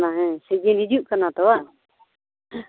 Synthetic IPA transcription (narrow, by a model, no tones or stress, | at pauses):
naɦɛ̃sɛd͡ʒɛnid͡ʒuʔkanat̪ɔwaʔ